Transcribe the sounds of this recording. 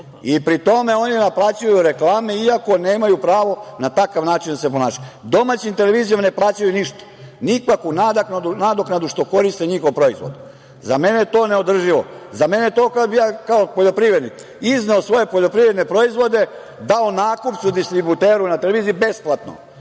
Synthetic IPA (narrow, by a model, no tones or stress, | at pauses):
ipɾit̪o̞me̞o̞ninaplˠaːt͡ɕajuɾe̞klˠaːmeiako̞neːmajupɾaːʋo̞nat̪akaʋnaːt͡ʃind̪asep̬onaːʃad̪o̞mat͡ɕimt̪ele̞ʋiːzijomneplˠaːt͡ɕajuniʃt̪ḁnikakunad̪aknad̪unad̪oknad̪uʃt̪o̞ko̞ɾist̪eɲixo̞ʋpɾo̞izʋo̰d̪u | zame̞nejet̪o̞ːneo̞d̪r̩ʒiʋo̰zame̞nejet̪o̞ːkaobijaːkaopoʎo̞pɾiʋɾe̞d̪nik | izneosʋo̞je̞poʎopɾiʋɾe̞d̪nepɾo̞izʋo̞d̪e̞ | d̪aonaːkupt̪sud̪ist̪ɾibut̪eːɾunat̪eleʋiːziibe̞splˠat̪no̰